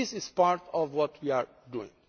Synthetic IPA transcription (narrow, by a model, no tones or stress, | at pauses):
ɪsɪz̥paɾtʰɔvwɔtʰwiaɹ | duɪ̰̃ŋ